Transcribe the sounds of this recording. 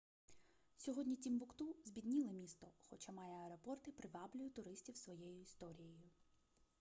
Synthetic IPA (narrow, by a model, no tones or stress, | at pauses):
sʲɔɦɔdʲnʲitʲimbʊkt̪uzʲbʲid̪nʲilˠɪmʲist̪ɔxɔt͡ʃamɑjɛɐɾɔpɔrt̪ɪpɾɪʋɑblʲʊjʊt̪ʊɾɪsʲtʲiwsʋɔjɛjʊist̪ɔɾʲijɔjʊ